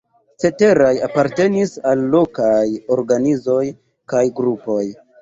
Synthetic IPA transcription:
t͡se̞te̞ɾajapaɾte̞nisalːo̞kajo̞ɾɡanizo̞j | kajɡɾupo̞j

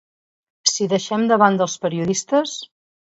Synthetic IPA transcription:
siðəʃɛmd̪əβand̪əlˠspəɾiuðist̪əs

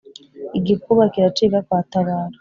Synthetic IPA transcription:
iɡikuβakiɾatiːβakwaːtaβaːɾo̥

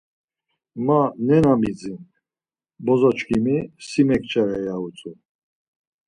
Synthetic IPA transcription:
manɛnamid͡ziŋ | bɔzɔt͡ʃkʰimisimɛkt͡ʃʼɛɾɛjaut͡sʼu

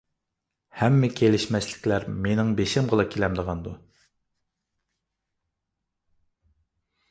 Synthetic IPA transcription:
hɛmːɛkʲʰelɪʃmɛslɪ̥kʲlæɾmenɪŋbeʃɪmʁəlˠɨkʲʰelɛmd̪əʁɑnd̪u

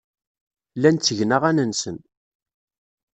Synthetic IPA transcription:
lːænt͡sːəʝnaʁænənsən

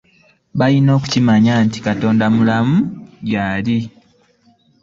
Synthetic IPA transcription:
βajino̞ːku̥cimaɲanti̥kato̞ːndamulamujaːli

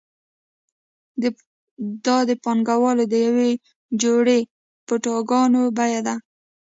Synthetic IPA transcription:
ə | d̪ɑd̪əpɑŋɡawɑlod̪əjawe | d͡ʒoɽe | pəʈɑɡɑnobajad̪a

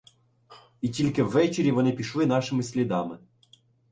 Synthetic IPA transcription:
itʲilʲkɪwːɛt͡ʃeɾʲiʋɔnɪpʲiʃlˠɪnɑʃɪmɪsʲlʲid̪ɑmɪ

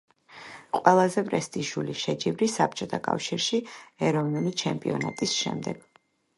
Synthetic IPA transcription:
qʼwɛlˠazɛpʼɾɛst̪ʼiʒuliʃɛd͡ʒivɾisap̚ʰt͡ʃʼɔt̪ʰakʼa̰fʃiɾʃiɛɾɔvnulit͡ʃʰɛmpʼiɔna̰t̪ʼisʃɛ̰md̪ɛɡ̥

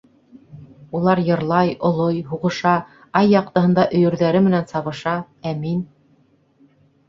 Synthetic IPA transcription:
ulˠɑɾjɤ̆ɾlˠɑjŏlˠojɦuʁɤ̆ʃɑ | ɑjːɑq̚t̪ɤ̆ɦɤ̆nd̪ɑʔɵ̆jɵ̆ɾðæɾɘmɘ̆nænsɑβɤ̆ʃɑ | æmin

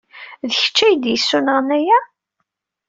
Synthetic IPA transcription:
ðəçə̥t͡ʃːæjd̪jəsːunəʁnæjæ

